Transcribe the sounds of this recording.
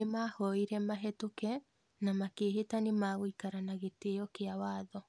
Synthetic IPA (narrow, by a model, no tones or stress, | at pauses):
emaːhɔiɾɛmaɦɛtokɛ | namakeːɦetanemaːɣwikaɾanaɣetejɔkeawaːðɔ